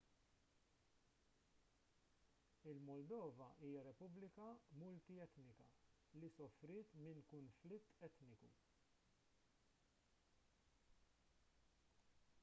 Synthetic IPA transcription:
ɪlmɔld̪ɔːvɐʔiːjɐɾɛpʊblɪkɐmʊlt̪iɛt̪nɪkɐ | lisɔfɾɪːt̪mɪnkʊnflɪt̪ːɛt̪nɪkṵ

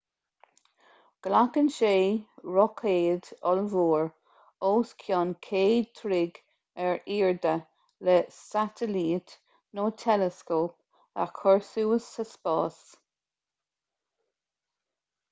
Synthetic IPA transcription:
ɡ̥lakənʃeːɹɔkʰeːd̪ɔlvuːɹ | oːskʰjɔːnkʰeːd̚t̪ʰɾɪɡ | ɛɹiːɹd̪ə | lɛsat̪ʰəliːt | noːt̪ʰɛləskoːp̚ | a̰kʰɔɹsuːəsəspɑːs

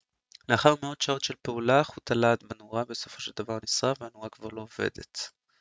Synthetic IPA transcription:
leaχaʁmeo̞d̪ʃao̞tʃelpeulaχut̪alad̪banuʁabe̞so̞fo̞ʃeld̪avaʁnisʁaveanuʁakvaʁlo̞ovḛd̪e̞̰t̪

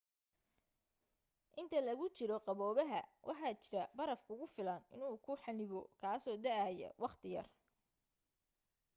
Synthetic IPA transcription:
ʔɪnt̪ʰɐlɐɣʊt͡ʃɪɾɔqɑβɔːβɐɦɐ̰wʔɑħɑːt͡ʃɪɾɐbɐɾɐfkʰʊɣʊfɪlɐnɪnuːkʰʊħɑnɪβɔkʰaːsɔːd̪ɐʕajɛ̰wɑqt̪ʰɪjɐ̰r

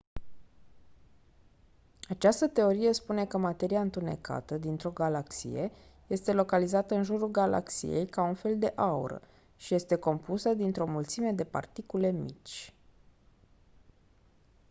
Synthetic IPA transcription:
at͡ʃast̪ət̪e̞o̞ɾije̞spune̞kəmat̪e̞ɾiaɨnt̪une̞̰ka̰t̪əd̪int̪ɾo̞ɡalaksḭje̞ | je̞st̪e̞lo̞kalizat̪əɨnʒuɾulɡala̰ksḭje̞̰jkaunfe̞ld̪e̞ʔaṵɾə̰ | ʃije̞st̪e̞ko̞mpusəd̪int̪ɾo̞mult̪sime̞d̪e̞pa̰rt̪ikule̞mḭt͡ʃʲ

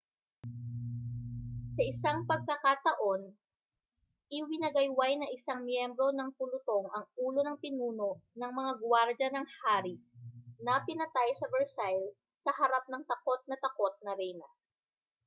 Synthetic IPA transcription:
sɐʔɪsaŋpɐɡ̚kɐkat̪ɐʔo̞n | ʔɪwɪnɐɡɐjwajnɐʔɪsaŋmjɛmbɾo̞nɐŋpʊlʊt̪o̞ŋʔɐŋuːlo̞nɐŋpɪnuːno̞nɐŋmɐŋaɡwaɾd͡ʒɐnɐŋhaːɾinɐpɪnɐt̪ajsɐvɛɹsajl | sɐhɐɾap̚nɐŋt̪ɐko̞t̪̚nɐt̪ɐko̞t̪̚nɐɾɛjnɐ

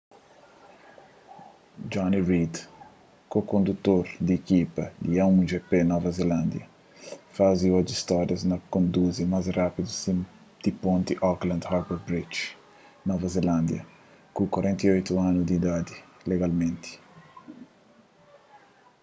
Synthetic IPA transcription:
d͡ʒɔniɾid̪ | kokõnd̪ut̪ːoɾd̪iekipɐd̪iaũd͡ʒepenɔvɐzelãnd̪jɐ̰ | faziɔd͡ʒist̪ɔɾjɐznɐkõnd̪uzimazrapid̪usi | d̪̥ipõnt̪iʔɔklɐ̃nd̪haɾbɛɾbɾit͡ʃ | nɔvɐzelãnd̪jɐ̰ | kukwaɾɛ̃nt̪iojt̪uanud̪id̪ad̪ileɡalmẽnt̪i̥

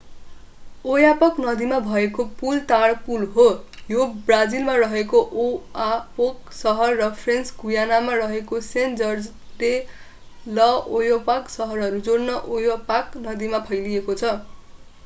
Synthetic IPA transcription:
ojapʌknʌd̪imabʱʌekopult̪aɽpulɦojobrad͡zilmarʌɦekoʔoapoksʌɦʌrːʌpʰrensɡujanamarʌɦekosend͡zʌrd͡z | le | lʌojopaksʌɦʌrɦʌɾud͡zornʌʔojopaknʌd̪imapʰʌjliekot͡sʰʌ

